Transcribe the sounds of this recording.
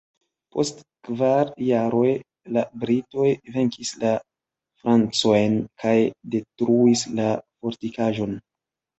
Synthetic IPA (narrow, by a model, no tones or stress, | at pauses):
po̞̰st | kvaɾjaɾo̞j | labɾito̞jve̞ŋkʰisla | fɾant͡so̞jnkʰajde̞tɾuislafo̞ɾtikaʒo̞n